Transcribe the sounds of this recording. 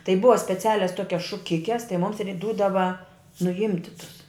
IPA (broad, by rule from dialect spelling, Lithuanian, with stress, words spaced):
tɐɪ ˈbʊʋɐ sʲpʲɛˈt͡sʲæːlʲɛs ˈtoːkʲɛs ʃʊˈkʲɪkʲɛs tɐɪ mʊms ɪrʲ ˈduːdɐʋɐ nʊˈɪmʲtʲɪ tʊs